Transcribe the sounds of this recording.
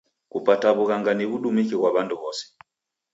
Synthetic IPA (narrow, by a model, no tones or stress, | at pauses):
kupataβuɣaŋɡaniβuɗumikiɣwaβanduβɔsɛ̥